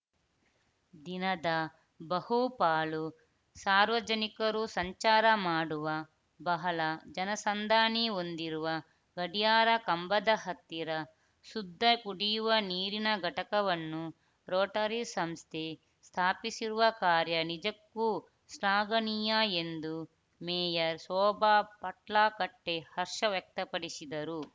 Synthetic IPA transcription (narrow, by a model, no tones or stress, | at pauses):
d̪inɐd̪ɐ | bɐhupaːlu | saːɾʋɐd͡ʒɐnikɐɾusɐɲt͡ʃaːɾɐmaːɽuʋɐ | bɐɦɐlɐd͡ʒɐnɐsɐnd̪ʱaːniond̪iɾuʋɐ | ɡɐɽijaːɾɐkɐmbɐd̪ɐɦɐt̪ːiɾɐ | sud̪ʱːɐkuɽijuʋɐniːɾinɐɡʱɐʈɐkɐʋɐnːu | ɾoːʈɐɾisɐmst̪ʰe | st̪ʰaːpisiɾuʋɐkaːɾjɐnid͡ʒɐkːu | slaːɡɐnijaend̪u | mɛːjɐɾsɔːbaːpɐʈlaːkɐʈːehɐɾʂɐʋjɐk̚t̪ɐpɐɽisid̪ɐɾu